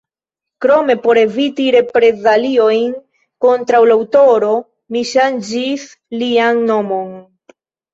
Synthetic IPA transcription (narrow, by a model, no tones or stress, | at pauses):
kɾo̞me̞po̞ɾevitiɾe̞pɾe̞zalio̞jn | ko̞ntɾawlaawto̞ɾo̞ | miʃand͡ʒis | lianːo̞mo̞n